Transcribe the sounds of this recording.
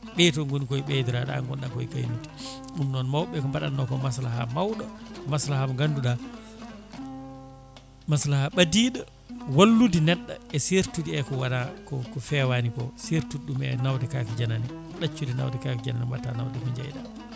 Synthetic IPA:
ɓɛtɔŋɡunikɔjɓɛdiɾaɗa̰ːŋɡɔnɗakɔjkajmiti̥ | ɗumnɔnmawɓɛkɔmbaɗa̰nːɔkɔmaslaɦa̰mawɗɔmaslahamŋɡanduɗa | maslahaɓadiːɗa | walːudinɛɗːa̰ɛseɾtudiɛkɔwanakɔkɔfɛwanikɔseɾtudɗumɛ̰nawdɛkakid͡ʒanani | ɗat͡ʃːudina̰wdɛkakid͡ʒananimba̰tanawdɛkɔɲd͡ʒa̰jɗa̰

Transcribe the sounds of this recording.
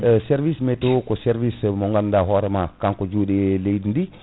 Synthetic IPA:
sɛɾvismɛtokɔsɛɾvismɔŋɡandaɦɔɾɛmakaŋkɔd͡ʒuːɗɛlejdindi

